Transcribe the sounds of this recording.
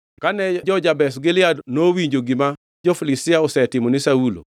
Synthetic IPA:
kanɛd͡ʒɔd͡ʒabɛsɡɪlɪadnowiɲd͡ʒoɡɪma | d͡ʒɔflisɪaɔsɛtɪmɔnɪsaulo̰

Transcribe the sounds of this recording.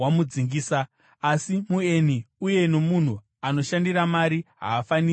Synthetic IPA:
amud͡ziŋɡiːsaː | simueniuje̞no̞mun̤u | ano̞ʃandiɾamaɾiɦa̰ːfani

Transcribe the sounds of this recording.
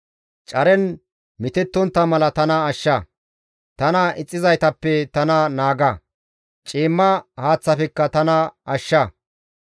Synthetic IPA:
t͡ʃʼɐɾɛn | mɪt̪ɛt̪ːɔnt̪ːɐmɐlɐt̪ɐnɐːʃːɐ | t̪ɐnɐʔɪt͡sʼːɪzɐjt̪ɐpːɛt̪ɐnɐnaːɡɐ | t͡ʃʼiːmːɐhaːt͡sːɐfɛkːɐt̪ɐnɐʔɐʃːɐ

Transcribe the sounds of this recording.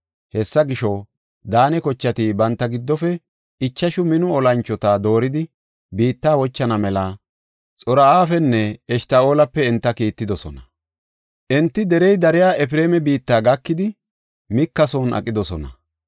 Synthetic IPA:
hɛsːɐɡɪʃɔ | d̪aːnɛkɔt͡ʃːɐt̪ɪbɐnt̪ːɐɡɪd̪ːɔfɛ | ɪt͡ʃːɐʃʊmɪnʊɔlɐnt͡ʃːɔt̪ad̪o̞ːɾɪd̪ɪ | biːt̪ːaːwɔt͡ʃːɐnɐmɛlɐ | t͡sʼɔɾɐaːfɛnːɛɛʃt̪ɐoːlɐpːɛːnt̪ːɐkiːt̪ːɪd̪ɔsɔnɐ | ʔɛnt̪ːɪd̪ɛɾɛjd̪ɐɾɪjaːʔɛfɪɾeːmɛbiːt̪ːaːɡɐkːɪd̪ɪ | mɪkːɐsoːnʔɐ̰kʼːɪd̪ɔsɔnɐ̰

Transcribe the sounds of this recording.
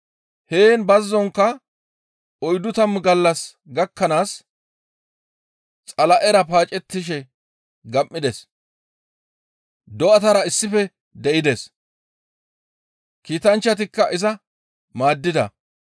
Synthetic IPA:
heːnbɐzːɔŋkːɐ | ɔjd̪ʊt̪ɐmɡɐlːɐs | ɡɐkʰːɐnaːs | t͡sʼɐlɐʔɛɾɐpaːt͡ʃʼɛt̪ːɪʃ̬ɛ | ɡɐmːɪd̪ɛs | d̪ɔɐt̪ɐɾɐɪsːɪfɛ | d̪ɛʔɪd̪es | kiːt̪ɐnt͡ʃːɐt̪̬ɪkːɐʔɪzɐ | maːd̪ːɪd̪ɐ̰

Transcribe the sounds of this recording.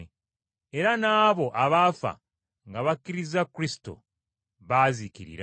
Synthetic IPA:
e̞ɾanaːβo̞ʔaβafa̰ | ŋɡaβakːiɾizakːuɾisi̥to̞̰ | βaːzikiɾḭɾa

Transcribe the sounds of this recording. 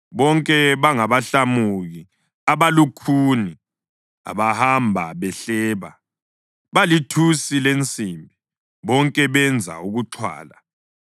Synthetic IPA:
βɔŋkʼɛβaŋaβaɬamuɣi | aβalukʰuni | a̰βahambʱa̰βɛɬɛːβa̰ | βalitʰusilent͡sʼiːmbʱi | βɔŋkʼɛβɛnd͡zʱa̰uɣuǁʰwa̰ːla

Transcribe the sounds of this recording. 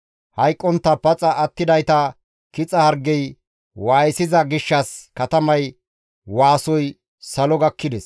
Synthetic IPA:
hɐjkʼːɔnt̪ːɐpɐt͡sʼɐʔːt̪ːɪd̪ɐjt̪ɐ | kɪt͡sʼɐhɐɾɡɛj | waːjɪsɪzɐɡɪʃːɐskɐt̪ɐmɐj | waːsɔj | sɐlɔɡɐkːɪd̪ɛs

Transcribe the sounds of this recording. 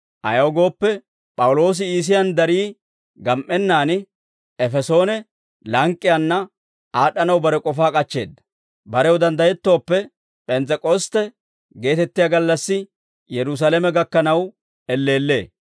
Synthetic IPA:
ʔɐ̰jɐɔɡo̞ːpːɛ | pʼɐwʊlo̞ːs̬ɪiːs̬ɪjɐnd̪ɐɾiː | ɡɐmʔːɛnːaːn | ɛfɛso̞ːnɛ | lɐŋkʼːɪjanːɐ | aːɗɐnɐwbɐɾɛkʼɔfaːkʼɐt͡ʃːe̞̰ːd̪ːɐ̥ | bɐɾɛwɔd̪ɐnd̪ɐjɛt̪ːo̞ːpːɛ | pʼɛnt͡sːɛkʼɔst̪ːɛ | ɡe̞ːt̪ɛt̪ːɪjaɡɐlːɐsːɪ | jɛɾʊs̬alɛmɛɡɐkːɐnɐw | ɛlːe̞ːlːe̞̰ː

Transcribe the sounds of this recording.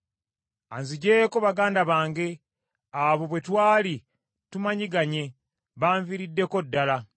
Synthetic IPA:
anziɟe̞ːkoβaɡaːndaβaːŋɡe̞ | aβo̞βwe̞twaːli | tumaɲiɡaɲe̞ | βaːɱviɾidːe̞ko̞dːala

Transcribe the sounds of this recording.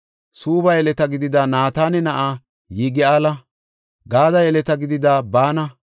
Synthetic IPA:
suːbɐjɛlɛt̪ɐɡɪd̪ɪd̪aːnaːt̪aːnɛnɐʔaː | jiːɡɪaːlɐ | ɡaːzɐjɛlɛt̪ɐɡɪd̪ɪd̪aːbaːnɐ

